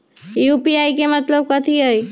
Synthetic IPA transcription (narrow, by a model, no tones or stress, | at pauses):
jupiaikemət̪ləb̚kət̪ʰiɦoji